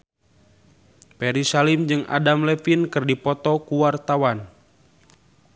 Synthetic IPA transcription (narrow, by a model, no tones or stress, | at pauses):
pɛɾisalimd͡ʒɨŋa̰damlɛfinkɨrdipɔt̪ɔkuwart̪awan